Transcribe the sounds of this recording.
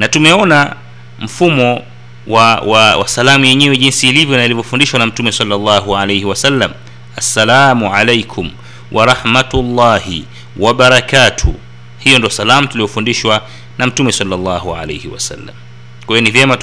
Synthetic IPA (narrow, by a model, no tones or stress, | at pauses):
natumɛɔna | m̩fumɔ | wawawa̰salamujɛɲɛwɛʄinsiːlivjɔnailivjɔfundiʃwanam̩tumɛsalːalːɑːɦuʕalejhiwasalːam | asːalaːmuʕalejkʰum | wʔaɾˤɑħmatulːaːhi | waɓaɾakatʰṵ | hijɔndiɔsalamutuliɔfundiʃwa | nam̩tumɛsalːalːɑɦuʕa̰lejhiwa̰sa̰lːa̰m | kwajɔnivjɛma